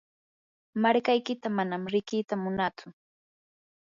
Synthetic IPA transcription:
maɾkajkɪt̪amanamɾɪkɪːt̪amʊnat͡sʊ

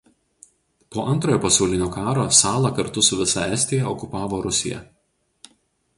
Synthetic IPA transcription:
poːʔɐnˑt̪ɾoːjoːpɐsɐʊlʲɪnʲoːkɑːɾoːsɑːlˠɐkɐɾt̪ʊsʊʋʲɪsɐɛsʲt̪ʲɪjɛɔkʊpɑːʋoːɾʊsʲɪ̰jɛ̰

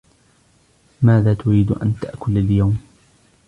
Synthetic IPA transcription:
maːðaːt̪ʊɾiːd̪ʔa̰nt̪aʔkʊlaljawm

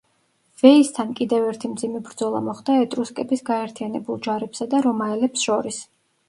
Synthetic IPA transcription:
v̥ɛist̪ʰankʼid̪ɛvɛɾt̪ʰimd̪zimɛbɾd̪zɔlˠa̰mɔχd̪̥aɛt̪ʼɾuskʼɛbisɡaɛɾt̪ʰijanɛbulˠd͡ʒaɾɛpsad̪aɾɔmaɛlɛpsʃɔɾis

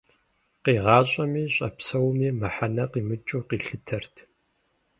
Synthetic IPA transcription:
qiːʁɑːɕʼɐmiːɕʼɐpsɐwmiːmɨħanɐqiːmɨt͡ʃʼuːqiːɬɨtʰɐrtʰ

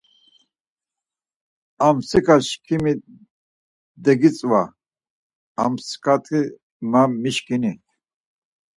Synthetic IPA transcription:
amsikʰʼaʃkʰimi | d̪ɛɡit͡sʼwa | amskʰat̪ʰi | mamiʃkini

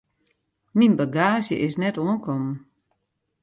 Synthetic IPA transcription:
ninbaɡaːzjə̰ʔɪsnɛtoənkʰɔmən

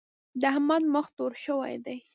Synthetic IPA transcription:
d̪əhamɑnməxt̪oɾʃəwa̰jd̪aj

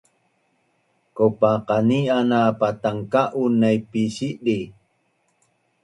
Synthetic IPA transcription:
kopaqanianapat̪aŋkaʔunːajpisidi

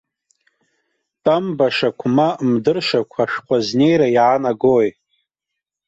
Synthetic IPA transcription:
tʼambaʂakʷʰmamdɨrʂakʷʰaʂqʷʰʼazne̞jɾajaːnaɡoj

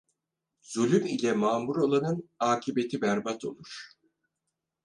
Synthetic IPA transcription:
z̥ulʲymilʲɛmaːmuɾolˠanɯnaːcʰibe̞t̪ʰibæɾbat̪ʰo̞̰lˠuɾ̥

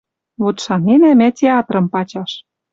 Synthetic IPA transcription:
βot̪ʃɑnenæmætʲeɑt̪rɤ̆mpɑt͡ɕɑʃ

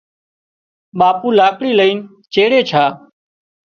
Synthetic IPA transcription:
ɓaːpuːlaːkɽiːləiːn | t͡ʃeːɽeːt͡ʃʰaː

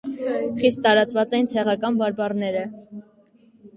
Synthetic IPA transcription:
χist̪ːɑɾɑt͡svɑt͡sɛint͡sʰɛʁɑkɑnbɑɾbɑrnɛɾə

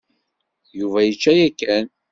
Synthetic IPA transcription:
juvæjət͡ʃːæjækːæn

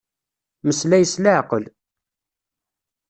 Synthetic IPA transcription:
məslæjəsləʕqəl

